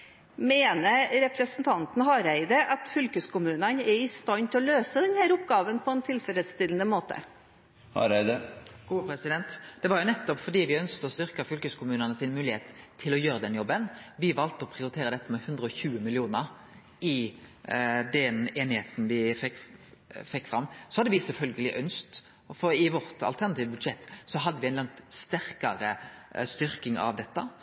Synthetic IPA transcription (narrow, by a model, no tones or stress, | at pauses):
meːnəɾɛpɾəsənt̪ʰɑnt̪n̩hɑɾæɪd̪əʔɑt̪fʏlkəskʰʊmʉːnənɛɾɪst̪ɑnt̪ʰɔløːsəd̪ɛnhæːɾʊpɡɑːʋənpʰɔɛnt̪ʰɪlfɛləst̪ɪln̩əmoːt̪ə̰ | hɑ̰ɾæɪd̪əɡ̥uːəpɾɛsɪd̪ɛnt̪d̪̥ɛʋɑɾjʊnɛt̪ːɔpfɔɖiːʋɪœnskt̪əɔst̪ʏɾkɑfʏlkəskʊmʉːnənəsɪnmʉːlɪheːt̪t̪ʰːɪlɔjøːɾəd̪ɛnjɔbːənʋɪʋɑlt̪əɔpʰʁɪʊɾɪt̪ʰeːɾəd̪ɛt̪ːəmɛhʉnd̪ɾəɔçʉːəmɪlɪuːnəɾ | ɪ | d̪ɛneːnɪheːt̪n̩ʋɪfɛkfɛkːfɾɑmːsɔhɑd̪əʋɪsɛlfœlɡəlɪʔœnst̪ | fɔɾɪʋɔɾt̪ɑ̰lt̪ʰæʁnɑt̪iːʋəbʉd̪ʂɛt̪ːsɔɦɑd̪ːəʋɪæɪnlɑŋt̪st̪æɾkɑɾəst̪ʏɾkɪŋɑ̰ʋd̪ɛt̪ːə